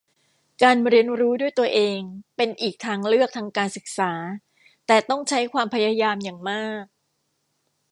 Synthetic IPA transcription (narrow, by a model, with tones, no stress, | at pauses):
kaː˧nɾi˧ənɾuː˦˥du˥˩əjt̪u˧ɐʔeː˧ŋpe˧nʔiː˨˩k̚t̪ʰaː˧ŋlɯ˥˩ək̚t̪ʰaː˧ŋkaː˧nsɯ˨˩k̚saː˩˦ | t̪ɛː˨˩t̪ɔ˥˩ŋt͡ɕʰa˦˥jkʰwaː˧mpʰa˧jaː˧jaː˧mjaː˨˩ŋmaː˥˩k̚